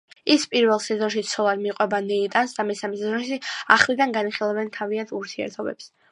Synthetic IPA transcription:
ispʼiɾvɛlˠsɛzɔnʃit̪sʰɔlˠad̪miqʼwɛbanɛit̪ʼansd̪amɛsamɛsɛzɔnʃiaχlid̪anɡaniχilˠavɛnt̪ʰaviant̪ʰuɾt̪ʰiɛ̰ɾt̪ʰɔbɛ̰ps

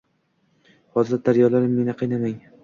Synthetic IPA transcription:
hɒzɾd̪aɾjɒlaɾɪmːe̞nɪqʰɨjnamaŋ

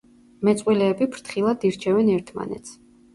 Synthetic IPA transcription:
mɛt̪sʼwilɛːbipʰɾt̪ʰχilˠad̪iɾt͡ʃʰɛvɛnɛɾt̪ʰma̰nɛ̰t̪sʰ

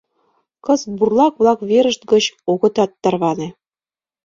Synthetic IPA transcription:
kɤ̆zburlˠɑkβlˠɑkβeɾə̆ʃt̪̚ɡɤ̆t͡ɕoɣɤ̆t̪ɑt̪ːɑrβɑnĕ

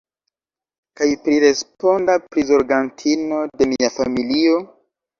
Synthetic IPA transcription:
kajpɾiɾe̞spo̞ndapɾizo̞ɾɡantʰino̞de̞miafamilio̞

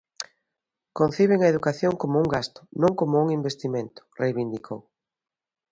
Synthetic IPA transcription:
kon̟θiβ̞eŋɐeðukaθjoŋkomʊuŋɡast̪ʊ̥nõŋkomʊuŋimbest̪imẽnt̪ʊ̥rejβind̪ikʰow

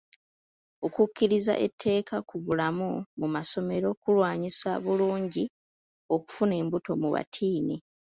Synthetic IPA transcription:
o̞kucːiɾiza̰ʔetʰːe̞ːkakuβulamumumaso̞me̞ɾo̞kulwaːɲisa̰βuluːɲɟi | o̞ku̥fune̞ːmbuto̞muβa̰tʰiːni

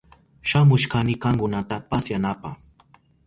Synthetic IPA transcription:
ʃamʊʃkanɪkaŋkʊnat̪apasjanapɑχ

